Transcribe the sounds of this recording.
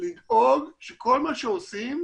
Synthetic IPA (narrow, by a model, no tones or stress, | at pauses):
lidoɡʃeko̞lmaʃeosim